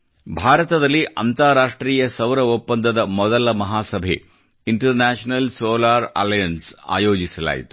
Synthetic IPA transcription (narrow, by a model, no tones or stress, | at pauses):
bʱaːɾɐt̪ɐðɐlːiʔɐnt̪aːɾaːʂʈɾiːjɐsɐʋɾɐupːɐnd̪ɐd̪ɐmɔd̪ɐlɐmɐɦaːsɐbʱḛ | iɳʈɐɾnaːʂnɐlsoːlaːɾɐ̰lɐjɐnsa̰ːjoːd͡ʒisɐla̰ːjḭt̪u̥